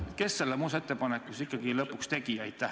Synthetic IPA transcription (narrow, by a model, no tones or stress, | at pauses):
t̪ke̞ssːelːemuːset̪ːe̞pɑnekːˑusikːˑɑɡilɤpːˑukst̪e̞ɡ̥ijɑjd̪̥t̪æ